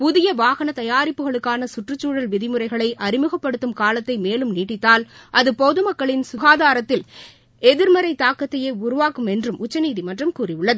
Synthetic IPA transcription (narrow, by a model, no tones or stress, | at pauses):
pʊðɪjɐʋaːɣɐnɐt̪ɐjaːɾɪpːɯɣɐɭɯkːaːnɐsʊʈrɯt͡ʃːuːɽɐlʋɪðɪmɯrɐɪɣɐɭɐɪʔɐɾɪmɯɣɐpːɐɽɯt̪ːɯmkaːlɐt̪ːɐɪmeːlɯmniːʈ̬ːɪt̪ːaːlʔɐðɯpoðɯmɐkːɐɭɪnsʊɣaːðaːɾɐt̪ːɪl | ɛðɪɾmɐɾɐɪt̪aːkɐt̪ːɐjeːʊɾʊʋaːkɯmɛndrɯmʔʊt͡ʃːɐniːðimɐʈrɐmkuːrɪjʊɭːɐðɯ